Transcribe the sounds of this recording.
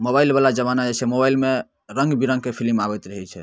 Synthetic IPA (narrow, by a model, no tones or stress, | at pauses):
mobailbalad͡ʒəβanad͡ʒɛt͡ʃʰɛmobailme | ɾəŋɡbiɾə̃ŋɡkepʰilmabɛt̪ɾəɦɛt͡ʃʰɛ